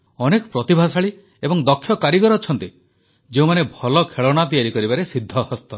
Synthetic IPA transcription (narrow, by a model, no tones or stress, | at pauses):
ɔnekɔ̥pɾɔt̪ibʱasaɭi | ebɔŋd̪ɔkʰːjɔkaɾiɡɔɾɔːt͡ʃʰɔnt̪i | d͡ʒeũmanebʱɔlɔkʰeɭɔɽ̃at̪̬ijaɾikɔɾibaɾesid̪ʱːɔhɔst̪ɔ